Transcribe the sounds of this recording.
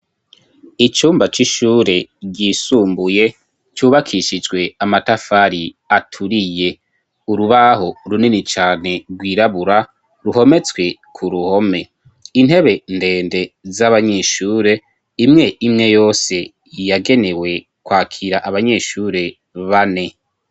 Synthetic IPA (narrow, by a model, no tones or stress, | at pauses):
it͡ʃuːmbat͡ʃiʃuːɾe̞ɟiːsuːmbuje̞ | t͡ʃuːβakʰiʃid͡ʒɡwe̞amatafaɾi | atʰuɾije̞ | uɾuβaɦo̞ɾuninit͡ʃaːne̞ɾɡwiːɾaβuɾa | ɾuɦo̞me̞t͡sɡwe̞kʰuɾuho̞me̞ | in̥he̞βe̞nde̞ːnde̞zaβaɲeʃuːɾe̞ | imŋe̞ʔimŋe̞jo̞ːse̞ | jaɡe̞ne̞we̞ | kwaːkʰiɾaʔaβaɲe̞ʃuːɾe̞ | βane̞